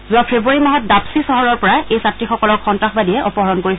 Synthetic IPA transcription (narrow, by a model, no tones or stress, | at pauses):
zʊapʰebuaɹimaɦɔt̚dapsisɔɦɔɹɔɹpɔɹaʔejsatɹixɔkɔlɔɹxɔntɹaxbadiɛʔɔpɔɦɔɹɔnkoɹis